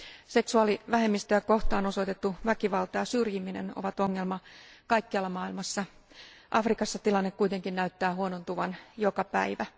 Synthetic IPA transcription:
se̞ksuɑliʋæɦe̞mːist̪øjæko̞ht̪ɑːno̞soit̪et̪ːuʋækiʋɑlt̪ɑjɑsyrjimineno̰ʋɑt̪o̞ŋːelmɑkɑikːiɑlːɑmɑːilmɑsːɑ | ʔɑfrikɑsːɑt̪ilɑnːekkuijt̪e̞ŋkinnæyt̪ːæːɦuonont̪uʋɑnjokɑpæ̰iʋæ

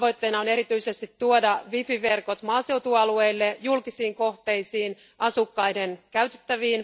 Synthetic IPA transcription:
ʋo̞jt̪ːe̞inɑone̞ɾit̪yise̞st̪it̪ːuodɑʋifiʋe̞rko̞t̪mɑːse̞wt̪uɑlueilːejulkisiːŋko̞ht̪e̞isiːn | ʔɑsukːɑjdenkæyt̪et̪ːæʋiːn

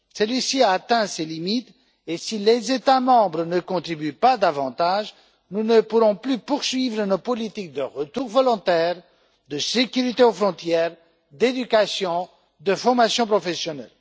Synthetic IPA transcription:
sɛlɥisiaːt̪ɛ̃selimit̪ | esilezet̪amɑ̃bʁənəkɔ̃t̪χibypad̪avɑ̰̃t̪aʒ | nunəpuʁɔ̃plypuʁsɥivʁənopɔlit̪ik̚d̪əʁət̪uʁvɔlɔ̃t̪ɛʁ | d̪əsekʲyʁit̪eofχɔ̃t̪jɛʁ | d̪ed̪ykasjɔ̃ | d̪əfɔʁmasjɔ̃pχɔfesjɔnɛ̰l

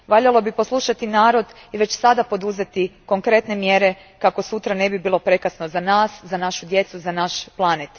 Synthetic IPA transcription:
ʋaʎalo̞biposlˠuʃat̪inaːɾo̞d̪iʋe̞t͡ɕsad̪apo̞d̪uze̞t̪iko̞ŋkɾe̞t̪ne̞mje̞ɾe̞ | kako̞sut̪ɾane̞bibiːlˠo̞pɾe̞kasno̞zanaːszanaʃud̪je̞t̪suzanaʃplˠanet̪

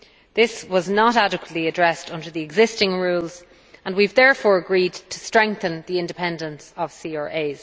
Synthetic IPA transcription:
ðɪswɒznəɾaɾɨkwətˡliədɹɛstʌ̃ndə˞ðiɨɡzɪstɪ̃ŋɹuːlˠz | ə̃nwivðɛɹfɔːɹəɡɹidtʰə̥stɹ̥ɛ̃ŋk̚θə̃nðiɪ̃ndɪpʰɛ̃ndə̃nsəv̥siɔɹʔeɪz̥

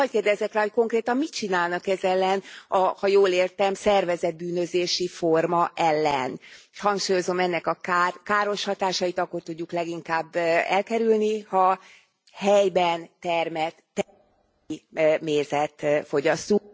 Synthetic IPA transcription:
ɒckeːrd̪ɛzɛkraːɦo̞c̚ko̞ŋkreːt̪ɒmmit̪̚t͡ʃinaːlnɒkɛzɛlːɛnɒhɒjoːleːrt̪ɛmsɛrvɛzɛd̪̚byːnø̞zeːʃifo̞rmɒʔɛlːɛ̰nʃhɒŋkʃuːjo̞zo̞mɛnːɛkɒkaːrkaːɾo̞ʃhɒt̪aːʃɒjit̪ɒkːo̞rt̪uɟːuklɛɡiŋkaːbːɛlkɛɾylnihɒ | hɛjbɛnt̪ɛrmɛt̪ː | meːzɛt̪fo̞ɟɒst̪u

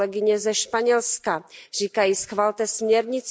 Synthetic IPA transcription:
ɛɡɪɲɛzɛʃpaɲɛlskar̝iːkajisxvalt̪ɛsmɲɛɾɲɪt͡s

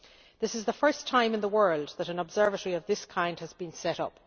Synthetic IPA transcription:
ðɪsɨzðəfɜ˞stʰãɪ̃mɨ̃nðəwɜ˞lˠd̪ðəɾə̃nəbz̥ɜ˞vətəɹiʌvðɪskʰãɪ̃nd̥həzbĩnsɛɾʌ̰p

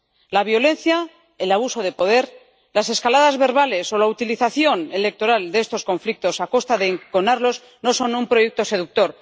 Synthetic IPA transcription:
laβ̞jo̞le̞nθja | elaβ̞uso̞ð̞e̞po̞ð̞e̞ɾ | lase̞skalaðazβe̞ɾβ̞ale̞so̞laut̪iliθaθjo̞ne̞le̞k̚t̪o̞ɾald̪eest̪o̞sko̞ɱflik̚t̪o̞sako̞st̪aðeŋkonaɾlo̞z | no̞so̞numpɾo̞jek̚t̪o̞se̞ðuk̚t̪o̞ɾ

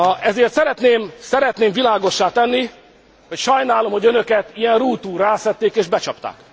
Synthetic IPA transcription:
ɛzeːrt̪sɛɾɛt̪neːmsɛɾɛt̪neːmvilaːɡo̞ʃːaːt̪ɛnːi | ho̞cʃɒjnaːlo̞mho̞ɟønøkɛt̪ijɛnruːt̪uːɾaːsɛt̪ːeːkeːʒbɛt͡ʃɒpt̪a̰ːk

